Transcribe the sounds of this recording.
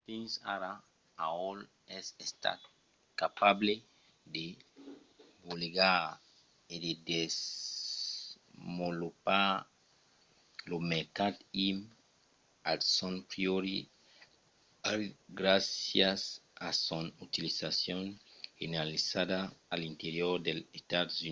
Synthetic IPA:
pinsa̰ɾa | aol | ɛsest̪a̰ | kapable | d̪e | boleɡa | ed̪ed̪es | molupaɾ | lomeɾkad̪im | alsonpɾjoɾi | alɡɾasjasasonut̪ilisasjonfinalisad̪aːlint̪eɾjoɾd̪elest̪ad̪su

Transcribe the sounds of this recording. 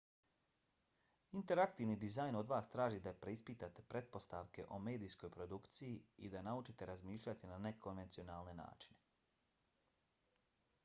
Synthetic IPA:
int̪e̞ɾakt̪iʋnid̪izajno̞d̪ʋaːst̪ɾaːʒid̪apɾeispit̪at̪e̞pɾe̞t̪̚po̞st̪aʋke̞ʔo̞me̞ːd̪iːsko̞jpɾo̞d̪ukt̪sijiid̪anaut͡ʃit̪e̞ɾazmiːʃʎʲat̪inane̞ko̞nʋe̞nt̪sio̞naːlˠne̞na̰ːt͡ʃi̥ne̞

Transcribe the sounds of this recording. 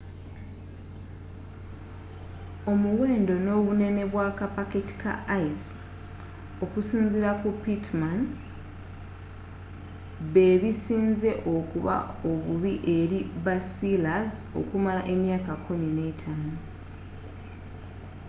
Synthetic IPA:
o̞muwe̞ːndo̞no̞ːβune̞ne̞βwakapaketi̥ka̰ʔajs | o̞kusiːnziɾakupitman | βe̞βisiːnze̞ʔo̞kuβa̰o̞βuβiʔe̞ɾibasilazo̞̰kumalaʔe̞mjaːkakʰːumine̞ːtʰaːno

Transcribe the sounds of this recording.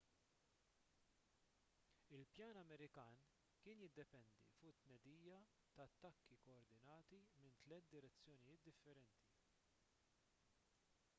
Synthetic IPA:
ɪlpjɐːnɐmɛɾɪkɐːn | kɪːnjɪd̪ːɛpɛnd̪ḭfʊʔɪt̪ːnɛd̪iːjɐ | t̪ɐɐt̪ːɐkːikɔɔɾd̪ɪnɐːt̪imɪnt̪lɛt̪̚d̪ɪɾɛt͡sːjɔnɪjɪːt̪̚d̪ɪfːɛɾɛnt̪i

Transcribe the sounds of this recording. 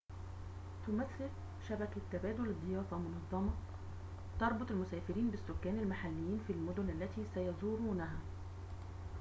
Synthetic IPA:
t̪ʊmæθːɪl | ʃæbækt̪ːæbæːd̪olɪd̪ˤːejɑːfˤɑmʊnɑðˤːɑmɑ | t̪ɑɾˤbot̪ˤɪlmʊsæːfɪɾiːnbɪsːokːæːnɪlmaħalːɪjːiːnfilmʊd̪ʊnʔælːæt̪iːsæjɑzˤuːɾuːnæɦæ

